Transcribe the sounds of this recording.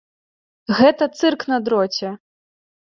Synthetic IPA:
ɣɛt̪ɐt̪sɨrknɐd̪ɾɔt͡sʲɛ

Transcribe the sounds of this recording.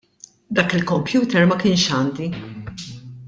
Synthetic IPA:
d̪ɐːkɪlkɔmpjuːt̪ɛɾmɐkɪːnʃɐːnd̪i

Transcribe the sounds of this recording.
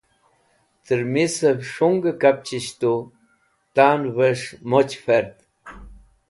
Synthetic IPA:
t̪əɾmisəbʂuŋɡəkap̚t͡ɕiɕt̪o | t̪anvəʂmot͡ɕfeɾd̪

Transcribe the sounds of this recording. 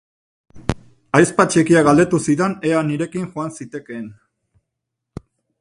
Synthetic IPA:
ajspat͡ʃe̞kiaɣald̪e̞t̪usiðane̞aniɾe̞kiŋʝoansit̪e̞ke̞ːn

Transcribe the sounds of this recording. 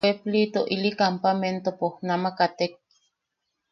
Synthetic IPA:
eplit̪oʔilikampament̪opohnamakat̪ek̚

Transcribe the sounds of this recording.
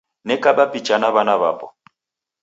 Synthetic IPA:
nɛkʼabapʼit͡ʃʼanaβanaβa̰ːpʼɔ

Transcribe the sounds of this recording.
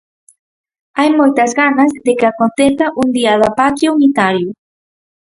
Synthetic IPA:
ajmojt̪ɐzɣanɐzðɪkɪakont̪eθɐʔund̪iɐðɐpat̪ɾjuunit̪aɾjʊ

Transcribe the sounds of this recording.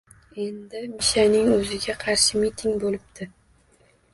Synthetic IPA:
e̞nd̪ɪmɪʃanɪŋɵzɪɡʲaqʰɑɾʃɪmit̪ʰɪŋbolɪb̚d̪ʰɪ

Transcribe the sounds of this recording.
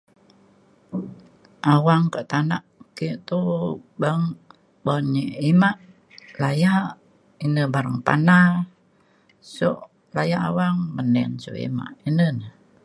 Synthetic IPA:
ʔawaŋkəʔt̪anaʔkiʔt̪ubəŋ | bɔniimaʔ | lajaʔ | inəbaɾaŋpa̰na | so̰ʔ | lajaʔawaŋmənɛ̰nso̰ḭma̰ʔinənə

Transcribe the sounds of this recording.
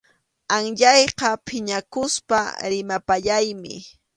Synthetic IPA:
aŋʎɑjqɑpʰɪɲakʊspa̰ɾɪmapaʎajmɪ̰

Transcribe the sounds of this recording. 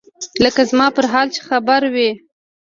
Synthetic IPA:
ləkazmɑpəɾɦɑlt͡ʃe̥xabaɾwi

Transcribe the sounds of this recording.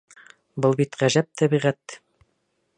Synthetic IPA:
bɤlˠbit̪ʁæʒæp̚t̪ʰæβiʁæt̪

